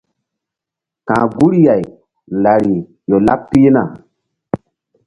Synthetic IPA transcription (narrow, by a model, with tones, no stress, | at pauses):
kãː˨ɡu˦ɾja˨j | n˨la˨ɾi˨ | jo˨la˦pːi˦na˨